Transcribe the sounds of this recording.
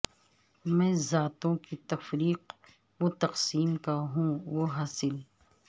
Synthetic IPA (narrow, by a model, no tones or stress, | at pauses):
mɛ̃ːzaːt̪õkit̪ɐfɾiːq | wot̪ɐqsiːmkaɦũʋoɦaːsɪl